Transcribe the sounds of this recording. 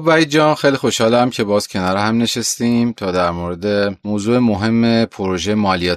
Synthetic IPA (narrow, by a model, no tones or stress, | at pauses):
bæjd͡ʒɒːnxejlixo̞ʃhɒːlæmcʰe̞bɒːz̥cʰe̞nɒɾehæmne̞ʃest̪iːmt̪ʰɒːd̪æɾmoɾe̞d̪e̞mozuːe̞moɦe̞mːepʰoɾoʒejemɒːlijɒː